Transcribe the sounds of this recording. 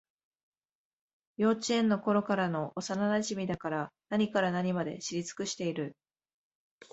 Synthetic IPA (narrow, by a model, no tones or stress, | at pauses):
jo̞ːt͡ɕiẽ̞nːo̞ko̞ɾo̞kaɾano̞ʔosananaʑimʲid̪akaɾanaɲ̟ikaɾanaɲ̟imad̪e̞̰ɕiɾʲit͡sɨ̥kɯɕi̥t̪e̞iɾɯ̟